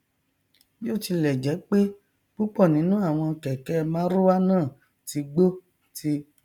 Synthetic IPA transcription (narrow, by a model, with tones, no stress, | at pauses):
jo˦˨ti˧lɛ˨d͡ʒɛ˨˦k͡pe˦ | k͡pu˦k͡pɔ˦˨nĩ˨˦nũ˦a˦˨w̃ɔ̃˧kɛ˨kɛ˨˦mãː˦ɾo˦wa˦nãː˦˨ | ti˨˧ɡ͡bo˦ | ti˧